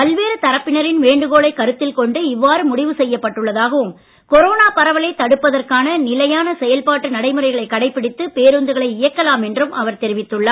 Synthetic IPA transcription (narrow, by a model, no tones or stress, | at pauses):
pɐlʋeːɾɯt̪ɐɾɐpːɪnɐɾɪnʋeːɳɖɯɣoːɭɐɪkɐɾɯt̪ːɪlkɔɳɖɯɪʋːaːɾɯmʊɽɪʋɯsɛjːɐpːɐʈːɯɭːɐðaːɣɐʋɯm | kɔɾoːnaːpɐɾɐʋɐlɐɪt̪ːɐɽɯpːɐðɐrkaːnɐnɪlɐjaːnɐsɛjɐlpaːʈːɯnɐɽɐɪmɯrɐɪɣɐɭɐɪkːɐɽɐɪpːɪɽɪt̪ːɯpeːɾɯnd̪ɯɣɐɭɐɪɪjɐkːɐlaːmɛndrɯmʔɐʋɐɾt̪ɛɾɪʋɪt̪ːɯɭːaː